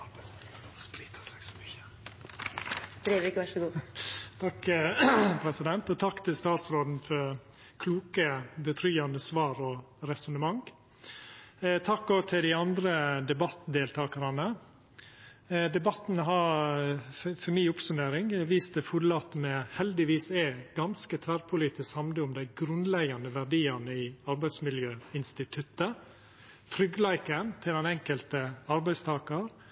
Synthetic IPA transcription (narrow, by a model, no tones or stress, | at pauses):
ɑɾbsʊ | spɾiːt̪ʰə̥sɛɡsɔ̥myçə̥ | d̪ɾeːʋɪkʋæʂəɡuːt̪ʰɑk | pʰɾɛsɪd̪ɛnt̪ɔt̪ʰɑkːt̪ʰɪlst̪ɑːt̪sɾoːd̪n̩fɔɾ | kʰluːkəbət̪ʰɾyːɑnd̪əsʋɑːɾɔ | ɾɛsʊnəmɑŋ | t̪ʰɑkːoːɡt̪ʰɪld̪ɪɑnd̪ɾəd̪ɛbɑt̪ːd̪eːlt̪ʰɑːkəɾɑnə | d̪ɛbɑt̪ːnɦɑɾ | fɔmiːʊpsʉmeːɾɪŋʋiːst̪əfʊɾlɑt̪mɛhɛld̪ɪʋiːsɛɡɑnskət̪ʰʋæɾpʰʊliːt̪ɪshɑmləʊmd̪æɪɡɾʉnlɛɡɑnəʋæɾɖiːɑnəɪːɑɾbæɪsmɪljøːɪnst̪ɪt̪ʰʉt̪ːə | t̪ʰɾʏɡlæɪkənt̪ʰɪld̪ɛnɛŋkəlt̪əɑɾbæɪst̪ʰɑːkɑɾ